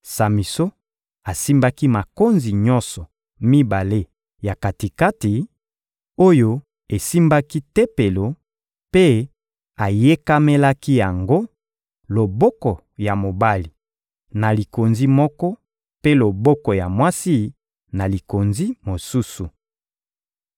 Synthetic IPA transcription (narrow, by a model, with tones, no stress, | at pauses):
sa˨mi˨so˦ | a˨si˦mba˦ki˦ma˨ko˦nzi˨ɲɔ˦nsɔ˨ | mi˦ba˨le˦ | ja˨ka˨ti˨ka˦ti˨ | o˦jo˦ | e˨si˦mba˦ki˦te˦pe˨lo˨ | pe˦ | a˨je˦ka˦me˦la˦ki˦ja˨ŋɡo˦ | lo˨bɔ˦kɔ˨ | ja˨mo˨ba˦li˨ | na˨li˨ko˨nzi˦mɔ˦kɔ˦ | pe˦lo˨bɔ˦kɔ˨ja˨mwa˦si˦ | na˨li˨ko˨nzi˦mo˨su˦su˨